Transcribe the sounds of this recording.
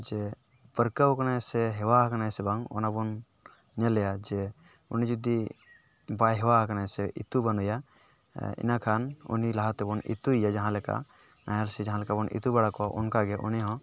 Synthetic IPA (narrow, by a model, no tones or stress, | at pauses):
d͡ʒɛ | pəɾkawkanasɛɦɛwaɦkanasɛbaŋɔ̰nabɔn | ɲɛlɛjad͡ʒɛ | unid͡ʒud̪i | bajɦɛwaɦkanasɛʔit̪ubanuja | ḭnakʰanṵnilaɦat̪ɛbɔnḭt̪uijad͡ʒaɦãlɛka̰ | najalsɛd͡ʒaɦãlɛkabɔnḭt̪ubɛɽakɔwaʔṵnkaɡɛʔṵniɦɔ̃